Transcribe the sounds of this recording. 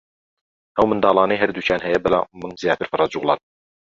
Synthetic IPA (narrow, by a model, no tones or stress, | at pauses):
ʔɛwmɨnd̪ɑːlˠɑːnɛjɦɛɾd̪uːcʰjaːnɦɛjɛbɛla̰mːɨnzijaːt̪ɨɾfɨrˤɑd͡ʒuɣlˠɑ̰ːn